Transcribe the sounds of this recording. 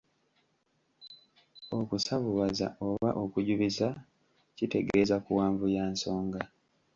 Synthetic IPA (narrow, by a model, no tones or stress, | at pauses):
o̞kusaβuβaza̰ʔoβaʔo̞kuɟuβiza | cite̞ɡe̞zakuwaːɱvujaːnso̞ːŋɡa